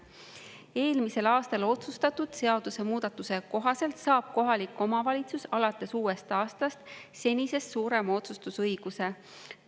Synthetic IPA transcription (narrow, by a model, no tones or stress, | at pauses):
e̞ːlmise̞lɑːst̪ɑlo̞t̪sust̪ɑt̪ud̪̥se̞ɑd̪̥use̞muːd̪̥ɑt̪ːˑuse̞ko̞ɦɑse̞lt̪sɑːb̥̚ko̞ɦɑlikːˑo̞mɑvɑlʲit̪susɑlɑt̪ːˑe̞suːe̞st̪ɑːst̪ɑst̪se̞nʲise̞st̪suːɾe̞mɑo̞t̪sust̪usɤjɡ̥use̞